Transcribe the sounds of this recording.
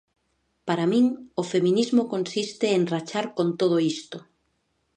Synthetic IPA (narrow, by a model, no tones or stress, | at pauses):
paɾamĩŋofemĩnizmokonsist̪ɪeŋrat͡ʃaɾkont̪oð̞oist̪o